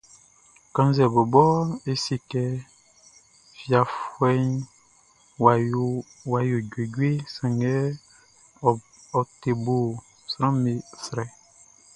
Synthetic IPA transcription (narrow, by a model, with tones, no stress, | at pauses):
kã˦n˦zɛ˨bo˨bɔ˦e˨si˨kɛ˨ | fi˨a˨fwɛ˦ɲ˨ | wa˨jo˨ɟwe˨ɟwe˦sã˨ŋɛ˦ | ɔ˨te˨bo˨ | sɾã˦me˨sɾɛ˨